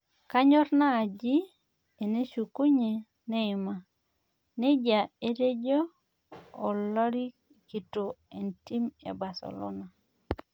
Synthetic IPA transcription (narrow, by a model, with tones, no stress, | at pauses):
ka˦ɲɔ˦ɾnaː˦˨d͡ʒi˦ | e˨ne˦ʃu˨ku˦ɲe˨ | nɛ˦ɪ˨ma˨ | ne˦d͡ʒa˨e˦ɾe˦d͡ʒoː˦˨ | lɔ˦ɾi˦ | ki˨to˨e˨nti˦mḛ˨ba˨sḛ˨lo̰˦na˨